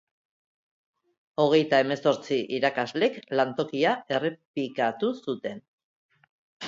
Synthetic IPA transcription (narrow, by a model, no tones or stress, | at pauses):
o̞ɣ̞e̞jt̪ae̞me̞so̞ɾt͡siʔiɾakazle̞klant̪o̞kiae̞repikat̪usut̪e̞n